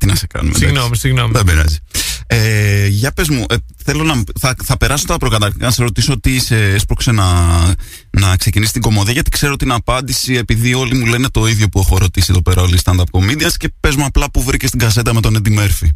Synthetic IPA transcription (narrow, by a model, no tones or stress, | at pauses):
t̪inɐsekɐ̰nṵmḛsinomisiɣnomðebeɾɐ̰zieʝɐpe̞zmuʔeθe̞lo̞nɐθɐθɐpe̞ɾɐsot̪ɐpɾo̞kɐt̪ɐkt̪ikɐnɐseɾo̞t̪iso̞t̪ise̞espɾo̞kse̞nɐ | nɐkse̞cinisi̥t̪iɡo̞mo̞ðiɐʝɐt̪i̥kse̞ɾo̞t̪inɐpɐnd̪isie̞piðio̞limule̞ne̞t̪o̞iðʝo̞pue̞xo̞ɾo̞t̪isie̞ðo̞pe̞ɾɐo̞list̪ɐnd̪ɐpko̞mid̪iɐsce̞pe̞zmuɐplɐpuvɾicest̪iŋɡɐse̞t̪ɐmet̪o̞nend̪ime̞ɾfi